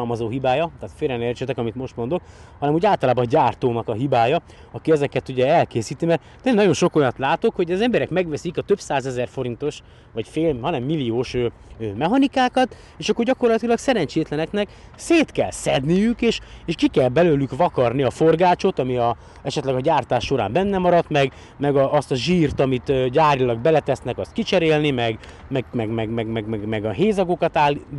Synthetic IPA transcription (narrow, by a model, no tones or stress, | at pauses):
lmɒzoːɦibaːjɒt̪aːt̪feːɾɛnert͡ʃɛt̪ɛkɒmit̪mo̞ʃt̪mo̞nd̪o̞k | hɒnɛmuːɟaːlt̪ɒlaːbɒɟaːrt̪oːnɒkɒɦibaːjɒ | ɒkiɛzɛkɛt̪uɟɛɛlkeːsiːt̪imɛrt̪ | t̪ɛnnɒɟo̞nʃokojɒt̪laːt̪o̞kho̞ɟɛzɛmbɛɾɛkmɛɡʋɛsikɒt̪ø̞bsaːzɛzɛrfo̞ɾint̪o̞ʃ | ʋɒcfeːɦɒnɛmːilːioːʃøː | mɛɦɒnikaːkɒt̪ | eːʃɒkːorɟɒko̞rlɒt̪ilɒksɛɾɛɲt͡ʃeːt̪lɛnɛknɛk | seːt̪kɛlsɛd̪nijykeːʃeːʃkikɛlbɛløːlykʋɒkɒrniɒforɡaːt͡ʃo̞t̪ɒmiɒ | ɛʃɛt̪lɛɡɒɟaːrt̪aːʃːo̞ɾa̰ːmbɛnːɛmɒɾɒt̪mɛɡ | mɛɡɒʔɒst̪ɒʒiːrt̪ɒmit̪øɟaːrilɒɡ̚bɛlɛt̪ɛsnɛkɒst̪̚kit͡ʃɛɾeːlnimɛɡ | mɛɡmɛɡmɛɡmɛɡmɛɡmɛɡmɛɡɒɦeːzɒɡokɒt̪aːl